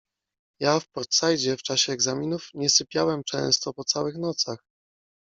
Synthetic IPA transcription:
jafpɔɾt̪sajd͡ʑɛft͡ʂaɕɛːɡzamʲinufɲɛsɘpʲjawɛmt͡ʂɛ̰̃w̃st̪ɔpɔt̪sawɘxnɔt̪sax

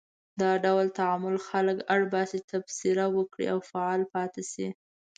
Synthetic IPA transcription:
d̪ɑɖawlt̪aʕamʊlxaləkaɽbɑset̪absiɾawəkɽḭʔawfaɑlpɑt̪esi

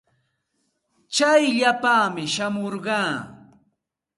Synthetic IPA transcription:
t͡ʃajʎapaːmɪʃamoɾɢɑː

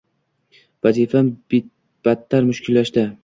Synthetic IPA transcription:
vazifabɪt̪ | b̥at̪ʰːaɾmʊʃkʲʰʊlːaʃt̪ɪ

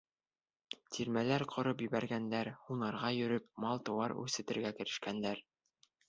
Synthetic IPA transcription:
t̪ʰiɾmælæɾqʰŏɾɤp̬jɵ̆βæɾɡænd̪æɾhunɑɾʁɑjɵ̆ɾɵp̚mɑlˠt̪ɤ̆wɑɾʉ̰sɘ̆t̪ɘ̆ɾɡækɘ̆ɾɘ̆ʃkænd̪æɾ

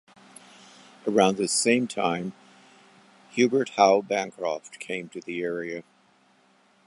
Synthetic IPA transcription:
ə˞ãʊ̃nðɨsẽɪ̃mtʰãɪ̃m | hjʉbə˞t̚haʊbæ̃nkʰɹ̥ɔftkʰẽɪ̃mtʰɨðiɛɹiɨ

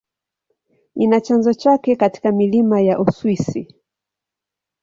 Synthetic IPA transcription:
inat͡ʃanzɔt͡ʃakɛkati̥kamilimajaʔuswisi

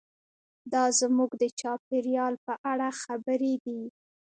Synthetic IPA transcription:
d̪ɑzmuɡd̪ət͡ʃɑpeɾjɑlpəʔaɽaxabəɾed̪i

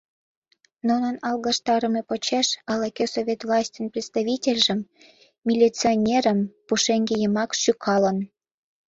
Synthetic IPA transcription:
nunənɑlˠɣɑʃt̪ɑɾə̆mepot͡ɕeʃɑlɑkʲesovʲet̪vlˠɑsʲtʲənprʲet̪st̪aβʲitʲelʲʒə̆mːʲ | ilʲit͡sonʲeɾəmpuʃeŋɡejəmɑkʃykʰɑlən

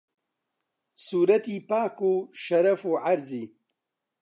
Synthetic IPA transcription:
suːɾɐt̪iːpaːkuːʃɐɾɐfuːʕaɾziː

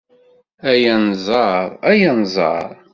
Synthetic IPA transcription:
æjænzˤɑɾˤæjænzˤɑ̰ɾˤ

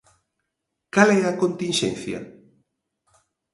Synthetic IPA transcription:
kalɛakont̪inʃɛ̰nθja̰

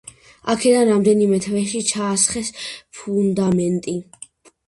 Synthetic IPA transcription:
akʰɛd̪anɾamd̪ɛnimɛt̪ʰvɛʃit͡ʃʰaːsχɛspʰund̪amɛnt̪ʼi

